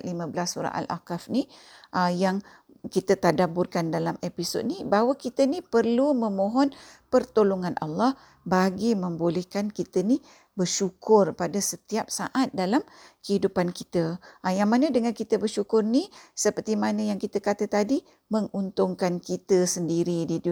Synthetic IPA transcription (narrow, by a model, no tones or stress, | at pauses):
limə̃bəlasːuɾa̰ʔa̰lʔa̰kafniʔəjaŋ | kit̪ət̪adabʊrkandalamepiso̰d̚nibaɦwəkit̪ənipərlumə̃mõɦɔnpərt̪oloŋanʔɑ̰lːɑh | baɡimə̃mbolɛhkankit̪əni | bərʃukʊrpadasət̪iap̚saʔat̪̚dalamkəhidupankit̪əjaŋmanədəŋankit̪əbərʃukʊrnisəpərt̪imanəjaŋkit̪əkat̪ət̪adi | məŋunt̪ʊŋkankit̪əsəndiɾidi